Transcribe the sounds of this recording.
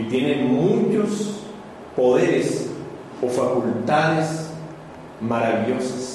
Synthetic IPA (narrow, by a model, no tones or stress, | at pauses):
it̪je̞nẽmũt͡ʃos | po̞ðeɾes | ofakult̪aðes | maɾaβiʎo̞sḁs